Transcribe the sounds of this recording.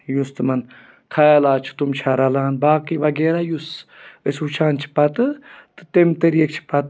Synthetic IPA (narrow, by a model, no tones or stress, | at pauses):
just̪ɨmɐn | kʰajelaːt͡ʃʰu̥t̪umt͡ʃʰɐɾɐlaːnbaːkiʋɐɡeːɾajusəsut͡ʃʰaːnt͡ʃʰi̥pɐt̪ɨt̪ɨ̥t̪emt̪ɐɾiek̚t͡ʃʰi̥pɐt̪